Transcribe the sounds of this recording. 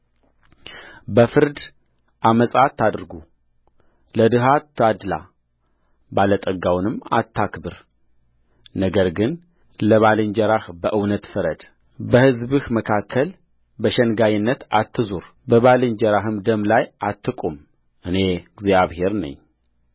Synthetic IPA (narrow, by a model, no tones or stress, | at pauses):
bəfɨɾd̪ | ʔaməsʼat̪ʰːad̪ɨɾɡu | ləd̪ɨɦat̪ʰːad̪la̰ | balət̪ʼəɡawnɨmːa̰t̪ʰːakbɨɾ | nəɡəɾɡɨn | ləβalɨɲd͡ʒɛɾahbəʔɨwnət̪fəɾəd̪̥ | bəhɨzbɨhməkʰakʰːəl | bəʃɛnɡajɨnːət̪at̪ʰːɨzuɾ | bəβalɨɲd͡ʒɛɾaɦɨmd̪əmlajat̪ʰːɨkʼum | ʔɨne̞ɡzjaβhe̞ɾnə̰ɲː